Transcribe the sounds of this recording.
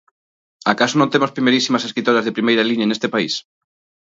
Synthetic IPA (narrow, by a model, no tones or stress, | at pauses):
akasonõnt̪emospɾimejɾisimɐseskɾit̪oɾɐzðepɾimejɾɐliɲɐnest̪epais